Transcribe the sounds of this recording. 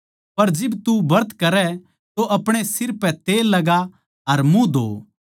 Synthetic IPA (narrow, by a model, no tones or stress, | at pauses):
pɐɾd͡ʒɪbt̪ubɐɾt̪kɐɾɛ | t̪oʔɐpɽ̃esɪɾpɛ̃t̪eːlːɐɡa | ɐɾmũd̪o̰ː